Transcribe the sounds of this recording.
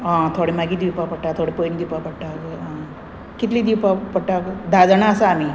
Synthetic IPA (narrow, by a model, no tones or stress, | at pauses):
ãt̪ʰoɽemaɡiːd̪ipapəɽʈːat̪ʰoɽepojnd̪ipapəɽʈakã | kit̪liːd̪iwpapəʈakd̪ad͡zɳaəsaːmi